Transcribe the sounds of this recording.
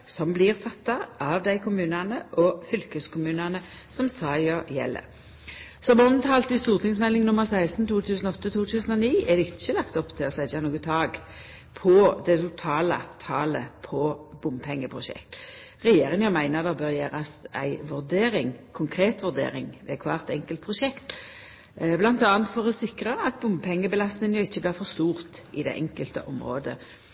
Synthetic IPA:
sɔmblɪʁfɑt̪ːɑʔɑʋd̪æɪkʰʊmʉːnɑnəʔɔfʏlkəskʊmʉːnɑnə | sɔmsɑːjəjɛ̰lːə̰ | sɔmɔnt̪ʰɑːlt̪ɪst̪uːʁt̪ʰɪŋs̬mɛlːɪŋnʊməʁsæɪst̪n̩t̪ʰuːt̪ʰʉːsn̩ɔɔt̪ːət̪ʰuːt̪ʰʉːsn̩ɔniːɛd̪ɛɪt͡ʃːəlɑkt̪ɔpt̪ʰɪɔsæd͡ʒɑnuːɡət̪ʰɑːɡ | pʰɔd̪ɛt̪ʰʊt̪ʰɑːlɑ̰t̪ʰɑːləpʰɔb̥ʊmpʰɛŋːəpʰʁʊʃɛ̰kt̪ | ʁɛjeːɾɪŋɑmæɪnəʁd̪ɑbøːʁjeːʁɑsæ̰ɪʋʉʁd̪eːɾɪŋkʰʊŋkʰʁeːt̪ʋʉʁd̪ḛːʁɪ̰ŋʋɛ̰kʰʋɑ̰ːʁt̪ɛŋkəlt̪̚pʰʁʊʃɛkt̪ | blɑnt̪ɑːɑnt̪fɔʁɛsɪkʁəɑɑt̪̚bʊmpʰɛŋːəbəlɑst̪nɪŋnjɔɪçːəblɪːʁfɔʁst̪uːʁt̪ʔɪd̪ɛ̰ʔɛŋkəlt̪ə̰ʔɔmʁo̰ːd̪ə

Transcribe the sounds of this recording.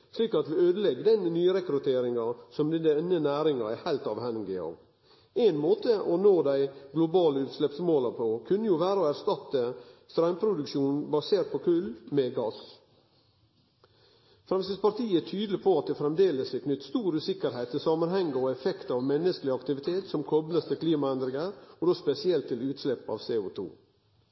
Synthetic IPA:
ʂliːkɑt̪ʋɪøːd̪əlɛɡːd̪ɛnnyːɾɛkɾʉt̪ʰeːɾɪŋɑsɔmd̪ɛd̪ɛnːənæːɾɪŋɑæhæɪlt̪ɑʋhænɡɪɑ̰ːʋ | eɪnmoːt̪əʔɔnoːd̪æɪɡlʊbɑːləʉːt̪slɛpsmoːlɑpʰɔkʰʉnːəjʊʋæːɾəɔæɾst̪ɑt̪ːəst̪ɾɑʏmpʰɾʊd̪ʉkʃuːnbɑseːɾt̪̚pʰɔkʰʉlmɛɡɑs | fɾɛmsɪspɑɾt̪ʰiːəæt̪ʰyːd̪əlɪpʰɔɑt̪̚d̪ɛːfɾɛmd̪eːləsʋɪkʰnʏt̪ːst̪uːɾʉːsɪkːəɾhæɪt̪ʰːɪlsɑmɑnhɛŋːəɔɛfɛkt̪ɑʋmɛnːəskəlɪɑkt̪ɪʋɪt̪ʰeːt̪sɔmkʰɔbləst̪ɪkʰliːmɑɛnd̪ɾɪŋəɾɔd̪oːspɛsɪɛlt̪ʰːɪlʉːt̪slɛpːɑ̰ːʋseːʊt̪ʰṵː

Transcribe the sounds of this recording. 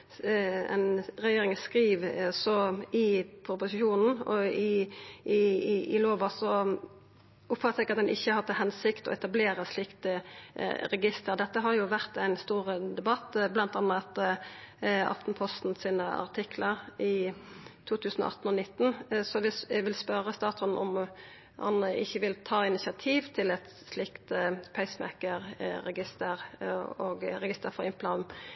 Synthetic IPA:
ɛ̰nʁɛjeːʁɪŋəskʁiːʋsɔɪpʰɾʊpʊsɪʃuːnn̩ɔɪ | ɪloːʋɑsɔ | ʔʊpfɑt̪əsɛɡɑt̪̚d̪ɛnʔɪçːəhɑʁt̪ʰːɛhɦɛnsɪkt̪ɔ̰ɛt̪ɑbleːʁəʂlɪkt̪ə̰ | ɾɛɡɪst̪əʁd̪ɛt̪ːəɦɑɾjʊʋæʁt̪æɪnst̪uːʁəd̪ɛbɑt̪ːblɑnt̪ɑnːəɑt̪ | ɑ̰ft̪n̩pʰɔst̪n̩siːnəɑ̰ʁt̪ʰɪkʰləʁʔɪt̪ʰuːt̪ʰʉːsn̩̰ɑ̰t̪n̩ɔnɪt̪ːn̩sɔʋɪʋɪlspœɾəst̪ɑːt̪ɔnʔɔ̰m | hɑ̰nəɪçːəʋɪlt̪ʰɑːɪnɪsɪɑt̪ʰiːʋt̪ʰɪlɛt̪ | slɪkt̪pʰæɪsmɛ̰kəɾɾɛɡɪst̪əʁoːɡɾɛɡɪst̪əɾfɔʁɪmplɑn

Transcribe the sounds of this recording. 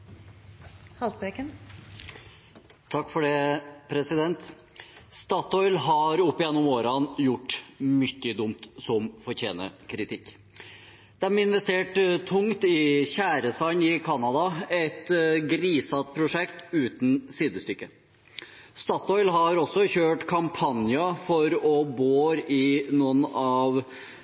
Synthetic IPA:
hɑlt̪bekən | t̪ʰɑkːfɔɖeːpʰɾɛsɪd̪ɛnt̪ | st̪ɑːt̪ɔʏlɦɑɾʊpːɪjɛnːʊmoːɾɑnjʊʈːmʏçːəd̪ʊmt̪sɔmfɔɾçeːnə̰kʰɾɪt̪ʰɪkː | d̪̥ɛmɪnʋɛst̪eːʈt̪ʰʊŋt̪ɪçæːɾəsɑɪnɪkʰɑnɑd̪ɑɛt̪ɡɾiːsɑt̪pʰɾʊʂɛkt̪ʉːt̪n̩siːd̪əst̪ʏkːə | st̪ɑːt̪ɔʏlɦɑɾɔsːɔçøːʈkʰɑmpʰɑnjɑfɔɾɔboːɾɪnunɑʋ

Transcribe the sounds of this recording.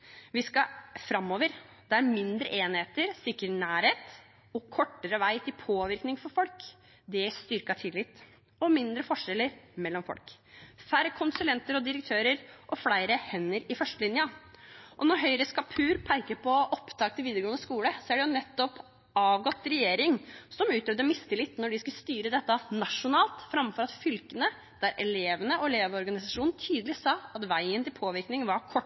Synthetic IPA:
ʋɪskɑfɾɑmːoːʋəɾd̪ɛæɾmɪnd̪ɾə̰ʔeːnheːt̪əɾsɪkːəɾnæːɾheːt̪ | ɔkʰɔʈːəɾəʋæɪt̪ʰɪlpʰoːʋɪɾknɪŋfɔɾfɔlk | d̪ɛst̪ʏɾkɑt̪ʰɪlːɪt̪ː | ɔmɪnd̪ɾəfɔʂɛləɾmɛlːɔmfɔ̰lkfæɾəkʰʊnsʉlɛnt̪əɾɔd̪ɪɾək̚t̪ʰøːɾəɾʔɔflæɪɾəhɛnːəɾɪfœʂʈəlɪnjɑʔɔnɔɾɦœʏɾəskɑpʰʉːɾpʰæɾkəɾpʰɔʔɔpt̪ʰɑːk̚t̪ʰːɪlʋiːd̪əɾɡoːnəskuːləsɔæɖɛjʊnɛt̪ːɔp | ɑːʋɡɔt̪ːɾɛjeːɾɪŋsɔmʉːt̪œʋd̪əmɪst̪əlɪt̪ːnɔɖɪskʉlst̪yːɾəd̪ɛt̪ːənɑʂʊnɑːlt̪fɾɑmfɔɾɑt̪fʏlkənə | d̪̥æɾɛɭeːʋənəɔɛleːʋɔɾɡɑnɪsɑʂuːnn̩t̪ʰyːd̪əlɪsɑːɑt̪ʋæɪənt̪ʰɪlpʰoːʋɪɾknɪŋʋɑɾkʰɔʈː

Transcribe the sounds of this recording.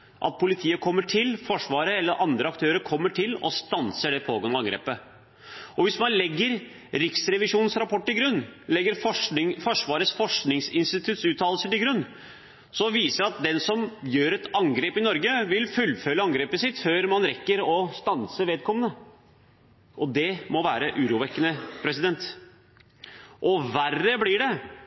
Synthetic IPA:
ʔɑ̰t̪̚pʰʊlɪt̪ʰiːəkʰɔmːəʈʰɪlfɔʂʋɑːɾəɛlːəɾʔɑnd̪ɾəɑkt̪ʰøːɾəɾkʰɔmːəʈʰɪlɔ̰st̪ɑnsəɖɛpʰoːɡɑnɑɑŋɡɾḛːpə | ɔʋɪsmɑnlɛɡːəɾ | ɾɪksɾɛʋɪʂuːnn̩sɾɑpʰɔʈːɪlɡɾʉnːlɛɡːəɾfɔɪŋfɔʂʋɑːɾəsfɔʂknɪŋsɪnst̪ɪt̪ʰʉt̪sʉːt̪ʰːɑːll̩səʈɪlɡɾʉnː | sɔʋiːsəɾɑt̪̚d̪ɛnsɔmjøːɾɛt̪ɑŋɡɾeːpɪnɔɾɡəʋɪlfʉlːfœləɑŋɡɾeːpəsɪt̪føːɾmɑnɾɛkːəɾɔst̪ɑnsəʋeːd̪̚kʰɔmːənə | ʔɔd̪ɛmɔʋæːɾəʔʉːɾuːʋɛkːənəpʰɾɛsɪd̪ɛnt̪ | ʔɔʋærːəblɪɖɛ

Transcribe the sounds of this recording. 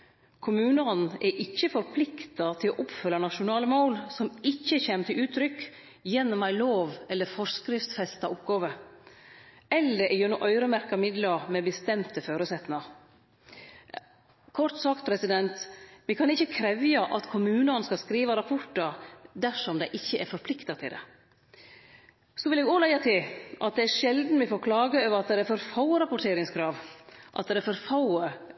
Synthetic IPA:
kʰʊmʉːnəɔnn̩ʔɛʔɪçːəfɔɾpʰlɪkt̪ɑt̪ʰɪlo̰ʔɔpfœlːɑnɑʃʊnɑːləmoʊlsɔmɪçːəçeːmət̪ʰɪlʔʉːt̪ʰɾʏk | jɛnːɔmæɪloːʋɛlːəɾfɔskɾɪft̪fɛst̪ɑʔɔpɡɑːʋə | ɛlːəɾʔɛjøːnʊʔœʏɾəmæɾkɑmɪd̪lɑmɛbəst̪ɛmt̪əføːɾəsɛt̪nɪŋɑ | kʰɔʈ̪sɑkt̪̚pʰɾɛsɪd̪ɛnt̪ʋɪkʰɑnɪçːəkʰɾɛʋjɑʔɑt̪kʰʊmʉːnɑnskɑlskɾiːʋɑɾɑpʰɔʈəɾd̪æʂɔmd̪æɪʔɪçːəʔɛɾfɔɾpʰlɪkt̪ɑt̪ʰɪld̪ɛ̰ | sɔʋɪleːɡolæɪɑt̪ʰɪlʔɑt̪̚d̪ɛæɾʂɛld̪n̩ʋɪfoːɾkʰlɑːɡəøːʋəɾɑt̪̚d̪ɛɛɛfɔɾfɑʊəɾɑpʊʈʰeːɾɪŋskʰɾɑːʋʔɑ̰t̪̚d̪ɛd̪ɛfɔɾfɑʊə

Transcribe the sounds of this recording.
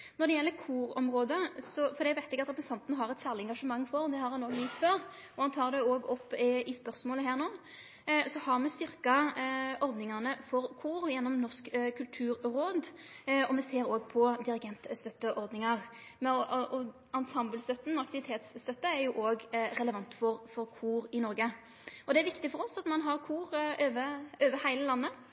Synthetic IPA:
nɔɾd̪ɛjɛlːəkʰuːɾɔ̰mʁoːd̪əsɔfɔɾd̪ɛæʋæɪt̪ɛɡɑt̪ɾɛpɾɛsɑnt̪nəɦɑɾɛt̪sæːʁlɪɛŋɡɑʂəmɑŋːfɔɾd̪ɛhɑɾhɑnoːɡjɪt̪ːføːɾ | ɔhɑnt̪ʰɑːʁd̪ɛoːɡɔpːɪspœɾsmoːləɦæːʁnoː | sɔhɑʁmɛst̪ʏɾkɑʔɔɾd̪nɪŋɑnəfɔɾkʰuːɾjɛnːɔmnɔʁskkʰʉlt̪ʰʉːɾɾoːd̪ | ɔmɛseːɾoːɡ̚pʰɔd̪ɪɾɪɡɛnt̪st̪œt̪ːəʔɔɾd̪nɪŋɑʁ | mɛʔɔ | ɑnsɑmblst̪œt̪ːn̩ɑkt̪ɪʋɪt̪ʰeːt̪sːt̪œt̪ːəæɾjʊʔoːɡʁɛləʋɑnt̪fɔɾfɔɾkʰuːɾɪnɔɾɡə | ɔd̪ɛæɾʋɪkt̪ɪfɔɾɔsɑt̪mɑnɦɑɾkʰuːʁøːʋəøːʋəhæɪləlɑnːə

